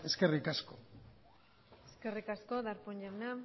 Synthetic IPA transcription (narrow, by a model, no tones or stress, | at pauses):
eskerikasko | eskerikaskoðaɾpoɲd͡ʒawnam